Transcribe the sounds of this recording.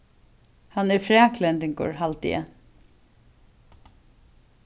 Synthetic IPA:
hɑnɛfɾɛːkʰlɛnt̪ɪŋkʊ̰ɹɦalt̪ɪ̰ə̰

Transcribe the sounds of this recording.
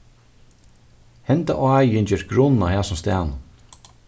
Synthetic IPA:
hɛnt̪a̰ʔɔaːjɪnt͡ɕɛːɾɡɾʊnahæːsɔmst̪æːn

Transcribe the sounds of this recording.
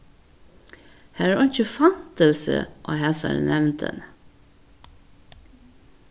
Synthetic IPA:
hæːɾæːɾɔnt͡ʃəfɑnt̪əlsə̰ʔoːhɛsɑ̰ɾnɛʋnt̪ʰə̰n

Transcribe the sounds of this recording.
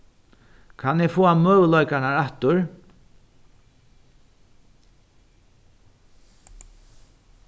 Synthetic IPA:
kʰanɛfoːamœːʋəlɔjkaɳaɹaht̪ʊɹ

